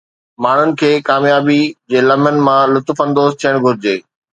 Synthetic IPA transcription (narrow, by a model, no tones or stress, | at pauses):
maːɳ̤ʊnɪ̆kʰeːkaːmjaːbid͡ʑeːlɐmənɪ̆mãlʊt̪fə̃nd̪oːzt̪ʰijəɽ̃ɡʱʊɾɪd͡ʑeː